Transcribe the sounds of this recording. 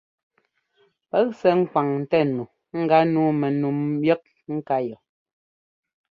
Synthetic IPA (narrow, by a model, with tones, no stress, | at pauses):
pɛ˦ksɛ˨˦ŋ̩˦kwa˨ŋn̩˨tɛ˦˨nu˨ | ŋ̩˦ɡa˦nuː˦mɛ˨nu˨mjɛ˦k̚ | ŋ̩˦ka˦jɔ˨